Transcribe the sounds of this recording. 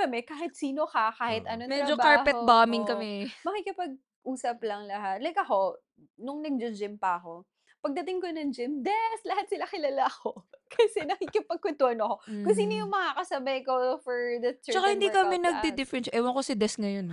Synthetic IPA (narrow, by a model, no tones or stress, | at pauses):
kɐmɛkaːhɪt̪̚siːnokɐkaːhɪt̪ʔɐnonmɛd͡ʒobkaɹpɛt̪̚baːmɪnkɐmɛmɐkikɪpɐɡ̚ | ʔuːsɐplɐŋlɐɦat̪̚lɐjkɐxo̞ | nʊŋnɐɡ̚d͡ʒod͡ʒɪmpɐʔɐko̞ | pɐɡ̚d̪ɐt̪ɪŋkonɐŋd͡ʒɪmd̪ɛslɐhat̪̚sɪlakɪlaːlaʔɐko̞kʰɐsɛnɐkikɪpɐɡ̚kʊt̪ʊɐnokokʊsiːnojʊŋmɐŋakɐsɐbɐjkofɔɹd̪ɐt̪t͡ʃːɐkahɪnd̪ikɐmɛnɐɡ̚d̪ɛd̪ɪfɾɛnʔɛwɐŋkosɪd̪ɛsŋɐjon